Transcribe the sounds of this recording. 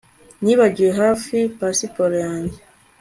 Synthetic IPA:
niːβaɟijeɦaːfipasipoɾejaːɲɟe

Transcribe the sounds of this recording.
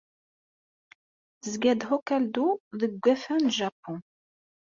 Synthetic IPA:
θzɡæd̪hokæld̪uðəɡʷːæfænʒapːɔ̃

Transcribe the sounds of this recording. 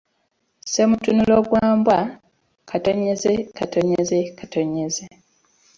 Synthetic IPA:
se̞mutunulo̞ɡwaːmbwa | kʰato̞ɲezekato̞ɲezekato̞ɲeze

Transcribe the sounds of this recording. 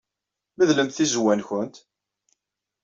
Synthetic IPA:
məðləmt̪θizwænçʊnt̪

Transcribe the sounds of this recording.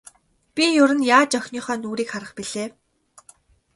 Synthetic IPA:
pʲijʊɾɘ̆njaːt͡ɕœxʲniːχœːnuːɾiːkχaɾə̆χpiɮeː

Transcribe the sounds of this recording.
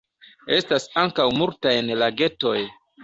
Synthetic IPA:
e̞stasaŋkawmultajnlaɡe̞to̞j

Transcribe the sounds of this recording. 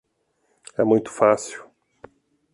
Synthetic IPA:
ɛmũj̃t̪ʊ̥fasiw

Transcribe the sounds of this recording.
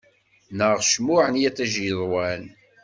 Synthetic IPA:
nəʁʃmʊʕənjæt͡sːæʒiðˤwæl

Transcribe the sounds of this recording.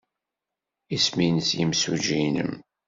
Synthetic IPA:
isminsjimsuʒinə̰m

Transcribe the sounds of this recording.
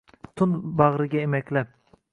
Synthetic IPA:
t̪ʰʊnbɑʁɾɪɡʲaemɛkʲlap̚

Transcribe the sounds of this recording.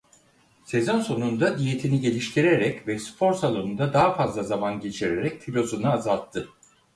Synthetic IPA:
se̞zonso̞nund̪ad̪ije̞t̪ʰiniɟe̞lʲiʃt̪ʰiɾeɾɛcvɛspʰo̞ɾsalˠonund̪ad̪aɦafazlˠazamanɟe̞t͡ʃʰiɾeɾɛc̚t̪ʰilʲo̞sunɯazalˠt̪ʰːɯ

